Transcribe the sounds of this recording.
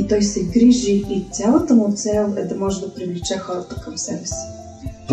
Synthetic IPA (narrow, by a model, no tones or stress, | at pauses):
t̪ɔjsɛɡɾiʒiːt̪ʲalˠət̪əmʊt̪sɛlˠɛd̪ɐmɔʒɛd̪ɐpɾivlit͡ʃɛxɔɾət̪ə̥kɐmsɛbɛs